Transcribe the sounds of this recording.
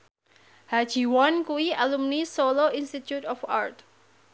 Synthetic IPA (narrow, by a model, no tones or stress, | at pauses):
had͡ʒiwɔnkuialumnisoloinst̪it̪jut̪ɔfart̪